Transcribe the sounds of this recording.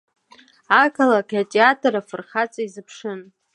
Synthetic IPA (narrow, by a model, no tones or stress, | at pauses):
akʰalakʼjatʼeatʰʼaɾafɨrχat͡sʼaizɨpʰʂɨn